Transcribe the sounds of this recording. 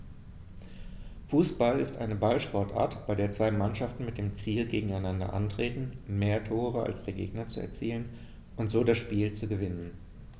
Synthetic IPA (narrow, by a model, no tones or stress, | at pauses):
fuːsb̥alɪstʔa̰ɪnəbalʃpɔɐtʔa̰ːɐtb̥aɪdeːɐt͡sv̥aɪmanʃaftn̩mɪt̚d̥eːmt͡siːlɡeːɡŋ̩aɪnandɐ̰ʔa̰ntʁ̥eːtn̩meːɐtʰoːʁ̞əʔa̰lsd̥eːɐɡḛːɡnɐt͡suɛ̰ɐt͡siːlən | ʔʊntz̥oːdasʃpiːlt͡suɡəvɪnən